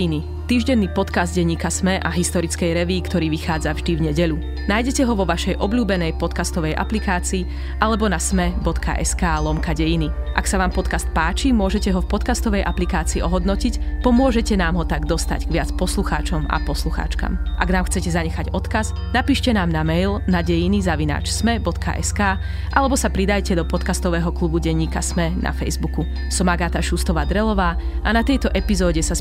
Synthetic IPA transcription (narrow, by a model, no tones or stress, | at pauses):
ini | t̪iːʒɟɛnːiːpɔt̪kazd̪̚ɟɛɲiːkasmɛʔaɦist̪ɔɾit͡skɛjɾɛʋiːkt̪ɔɾiːʋixaːd͡zavʒd̪ivɲɛɟɛʎu | naːjɟɛcɛɦɔʋɔʋaʃɛjʔɔbʎuːbɛnɛjpɔt̪kast̪ɔʋɛjʔa̰plikaːt͡siː | ʔalɛbɔnasmɛbɔt̪kʰa̰ʔɛ̰skaːlɔmkaɟɛjini | ʔa̰ksaʋaːmpɔt̪kast̪̚paːt͡ʃimʊɔʒɛcɛɦɔfpɔt̪kast̪ɔʋɛjʔaplikaːt͡siːʔɔɦɔd̪nɔcicpɔmʊɔʒɛcɛnaːmɦɔt̪aɡd̪ɔst̪a̰ɟɡʋɪat͡spɔsluxa̰ːt͡ʃɔma̰pɔsluxa̰ːt͡ʃka̰mʔaɡnaːmxt͡sɛcɛzaɲɛxaɟɔt̪kaz | napiːʃcɛnaːmnamɛjlnaɟɛjinizaʋina̰ːt͡ʃsmɛbɔt̪kʰa̰ʔɛ̰skaː | ʔalɛbɔsapɾid̪ajcɛd̪ɔpɔt̪kast̪ɔʋɛːɦɔklubuɟɛɲːiːkasmɛnʔa̰fɛjzbuku | sɔmaɡaːt̪aʃust̪ɔʋaːd̪ɾɛlɔʋaː | ʔanat̪ɛjt̪ɔʔɛpizɔːɟɛsa